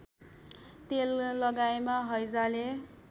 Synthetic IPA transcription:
t̪elːʌɡajmaɦʌjd͡zale

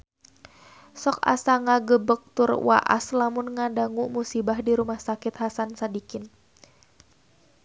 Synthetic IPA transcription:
sɔka̰saŋaɡəbək̚t̪ʊrwa̰ʔa̰slamʊnŋadaŋuʔmusibahdiɾumahsakɪt̪hasansadikɪn

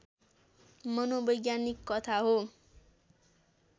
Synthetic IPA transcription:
mʌnobʌjɡjanikːʌt̪ʰaɦo

